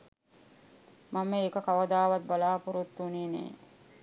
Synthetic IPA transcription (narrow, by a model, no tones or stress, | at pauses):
mamːeːkəkaʋəd̪aːʋat̪̚balaːpuɾut̪ːunenḛː